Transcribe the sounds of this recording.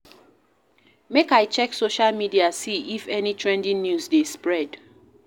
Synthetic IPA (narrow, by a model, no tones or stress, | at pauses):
mekajt͡ʃɛksoʃalmidiasiʔifɛnitʰɹɛ̃ndĩnnjusdespɹɛd̥